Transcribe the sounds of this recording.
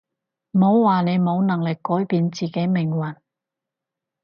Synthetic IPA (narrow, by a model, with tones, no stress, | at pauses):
m̩˨o˨˧wwaː˨ne˨˧jmo˨˧wnɐ˨˩ŋlɪ˨˩kːɔː˨˥jpiː˨˧nt͡siː˨˩ke˨˥jmɪ˨˩ŋwɐ˨˩n